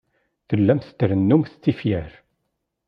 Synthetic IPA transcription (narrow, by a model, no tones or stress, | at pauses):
θəlːæmθə̥t̪ːəɾənːumθt͡sːifjæɾ